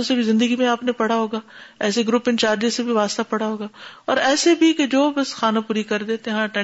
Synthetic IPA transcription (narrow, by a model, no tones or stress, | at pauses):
sebʱizɪ̃nd̪əɡimẽaːpnepɐɽ̤aɦoːɡaːɛːseɡɾʊpɪ̃nt͡ʃaːɾd͡ʒesebʱiʋaːst̪apɐɽaɦoːɡaːɔːɾɛːsebʱiked͡ʒoːbɐsxaːnapuːɾikɐɾd̪eːt̪ẽɦãːʈɛ